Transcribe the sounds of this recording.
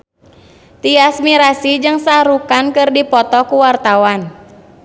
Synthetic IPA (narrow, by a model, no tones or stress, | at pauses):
t̪iasmiɾasid͡ʒɨŋsaɾukankɨrdipɔt̪ɔkuwart̪awan